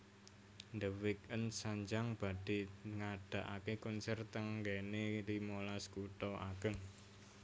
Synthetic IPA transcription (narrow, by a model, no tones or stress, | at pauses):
ndəwɪk̚ənsaɲd͡ʒaŋb̥a̤ɖ̥i̤ŋaɖ̥ä̤ʔakekɔnsɛrt̪əŋɡɛnelimolaskut̪ɔʔa̰ɡ̥əŋ